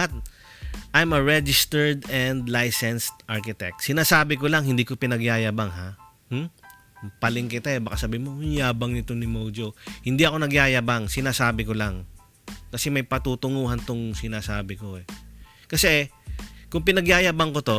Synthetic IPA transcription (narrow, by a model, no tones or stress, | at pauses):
t̪̚ | ʔajmɐɹɛd͡ʒɪst̪ɛɹd̪ɛnd̪lajsɛnst̪ʔaɹkɪt̪ɛ̰k̚t̪sɪnaːsaːbɪkolaŋhɪnd̪iːko̞pɪnɐɡjaːjabaŋɦa | hm̩ | pɐlɪŋkɪt̪aɛbɐkasɐbiːmoʊnjaːbɐŋnɪt̪onɪmowd͡ʒohɪnd̪iʔɐko̞nɐɡjaːjabaŋsɪnaːsaːbɪkolaŋ | kɐsɛmɐjpɐt̪uːt̪ʊŋuːhɐnt̪ʊŋsɪnaːsaːbɪko̞ɛ | kɐsɛ | kʊŋpɪnɐɡjaːjabɐŋkot̪o̞